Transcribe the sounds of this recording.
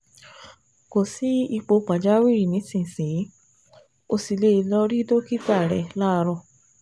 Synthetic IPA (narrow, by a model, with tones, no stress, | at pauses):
ko˨si˨˦i˧k͡po˧k͡pa˨d͡ʒa˨˦wi˦i˨nĩ˨˦sĩ˦˨se˨˦ | o˧si˨le˦i˧lɔ˧ɾi˦do˦ki˦ka˦˨ɾɛ˨la˦˧ɾɔ˧˨